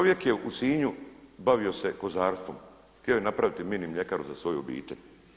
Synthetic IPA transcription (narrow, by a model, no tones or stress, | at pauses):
t͡ʃoʋje̞kjeʔusiːɲubaʋio̞se̞ko̞zaːɾst̪ʋo̞̰m | xt̪io̞jenapɾaʋit̪iminimʎe̞kaɾuzasʋo̞juobḭːt̪e̞̰ʎ